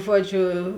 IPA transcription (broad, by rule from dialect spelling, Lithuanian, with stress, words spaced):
ˈʒuɔˌd͡ʒʲʊ